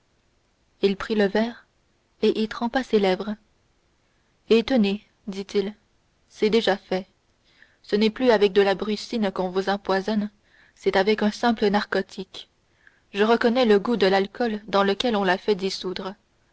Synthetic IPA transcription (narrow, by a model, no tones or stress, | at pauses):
ilpχiləvɛːʁ | eʔilt̪χɑ̃paselɛvʁ | et̪əne | d̪it̪il | sɛd̪eʒafɛ | sənɛplyavɛk̚d̪əlabʁysinkɔ̃vuzɑ̃pwazɔn | sɛt̪avɛkœ̃sɛ̃plənaʁkɔt̪ʰik | ʒəʁəkɔnɛləɡud̪əlalkʰɔld̪ɑ̃ləkʲɛlɔ̃lafɛd̪isud̪ʁə